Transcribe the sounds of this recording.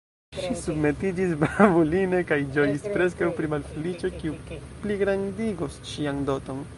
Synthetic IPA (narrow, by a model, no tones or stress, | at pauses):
ʃisubme̞tid͡ʒis̬babuline̞kajd͡ʒo̞jispɾe̞s̬kawpɾimalfelit͡ʃo̞kiu | pliɡɾandiɡosʃiando̞to̞n